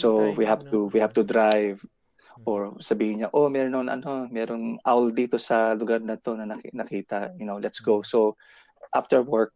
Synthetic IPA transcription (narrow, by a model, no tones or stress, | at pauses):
sowihavt̪uwihavt̪ʊd̪ɾajv | ʔoɹsɐbiːhɪɲɲaʔo̞mɛɾonɐŋʔɐ̰no̞mɛːɾoŋʔawld̪iːt̪osɐlʊɡaɾnɐt̪o̞nɐnɐknɐkiːt̪ɐjʊnowlɛt̪sɡosow | ʔa̰ft̪ɛɹwɔɹk̚